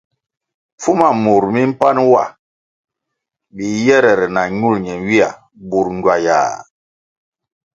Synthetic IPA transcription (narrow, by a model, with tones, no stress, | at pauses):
fu˦ma˨mu˨ɾmi˦m̩˦pa˦nwa̰˨ | bi˨jɛ˦ɾɛ˨ɾɛ˨na˨ɲu˦˨lɲɛ˨wi˦a̰˨ | bu˨ɾŋɟwa˨ja̰ː˨